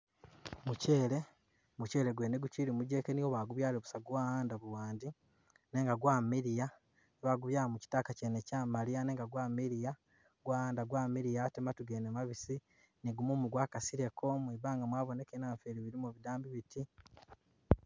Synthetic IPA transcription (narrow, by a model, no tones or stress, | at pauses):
muceːle̞ | muce̞ːle̞ɡweːneɡuciɾimuɟe̞ːkenioβaːɡuβjaːleβusaɡwaːhaːndaβuwaːndi | ne̞ːŋɡaɡwaːmiɾija | neβaɡuβjaːomuci̥taːkaceːnecamalijane̞ːŋɡaɡwaːmiɾija | ɡwaːhaːndaɡwaːmiɾijatematuɡeːnemaβisi | neɡumumuɡwaːkasiɾe̞kʰomwiβaːŋɡamwaːβonekenaːɱfeːɾiβiɾimuβidaːmbiβitʰi